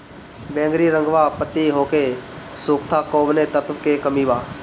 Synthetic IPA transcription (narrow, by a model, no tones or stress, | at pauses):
bẽːŋɡɾiːɾə̃ŋɡʋaːpət̪iɦoːkeːsuːkt̪ʰaːkoːʋnet̪ət̪ʋkekəmiːʋaː